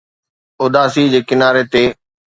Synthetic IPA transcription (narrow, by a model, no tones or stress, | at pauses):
oːd̪aːsid͡ʑeːkɪnaːɾet̪eː